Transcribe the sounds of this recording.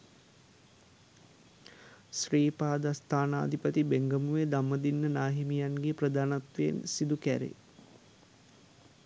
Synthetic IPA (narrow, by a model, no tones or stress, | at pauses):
sriːpaːd̪ast̪ʰaːna̰ːd̪ʱipət̪ibeŋɡəmuʋed̪amːəd̪inːənaːɦimijanɡeprəd̪aːnat̪ʋeḛnsid̪ukæɾḛ